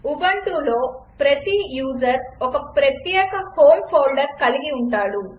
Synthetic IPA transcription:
ubɐɳʈulo̞ːpɾɐt̪ijuːd͡ʒɐɾɔkɐpɾɐt̪jɛːkɐpʰoːmpʰoːlɖɐɾkɐliɡiuɳʈaːɽu

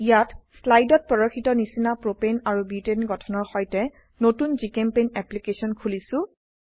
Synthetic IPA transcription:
ijatslajdɔt̚pɔɹoxitɔnisinapɹopenaɹubitenɡɔtʰɔnɔɹxɔjtɛ | notunzikɛmpenɛplikesɔnkʰulisʊ̃

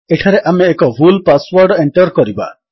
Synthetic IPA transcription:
eʈʰaɾeʔameːkɔbʱulpaswɔɾɖɔeɳʈɔɾkɔɾiba̰

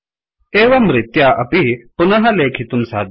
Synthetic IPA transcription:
eːʋɐmɾɪt̪jaʔɐpipunɐɦɐleːkʰit̪umsa̰ːd̪ʱ

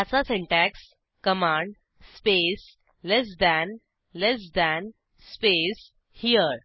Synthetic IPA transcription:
asasẽɳʈæks | kəmãɳɖ | spes | les̬d̪æn | les̬d̪æ̃n | spes | hiəɾ

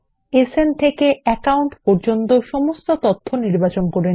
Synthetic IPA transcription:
esent̪ʰekeɛkawɳʈpɔɾd͡ʑont̪oʃɔmost̪ot̪ot̪ʰːoniɾbat͡ɕonkoɾe

